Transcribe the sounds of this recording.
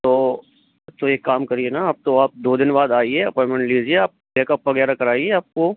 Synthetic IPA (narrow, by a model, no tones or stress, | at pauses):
t̪oː | t̪oeːkːaːmkɐɾienaaːp̚t̪oaːp̚d̪oːd̪ɪnbaːd̪aːieɐpɔːmẽɳʈliːd͡ʒieaːp̚leːkɐpʋɐɡɛːɾakɐɾaːieaːp̚ko